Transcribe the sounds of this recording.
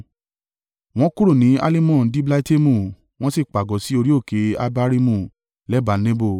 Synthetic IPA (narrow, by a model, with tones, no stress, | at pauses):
w̃ɔ̃˦ku˦ɾu˦˨nĩ˨˦a̰˦li˦mɔ̃˦˨˦di˦bla˦i˦te˦mũ˦˨ | w̃ɔ̃˦si˦˨k͡pa˨ɡɔ˨˦si˨˦o˧ɾi˦o˦˨ke˨˦a˦˧ba˦ɾi˦mũ˦˨ | lɛ˦ba˨˦nẽ˦bo˦˨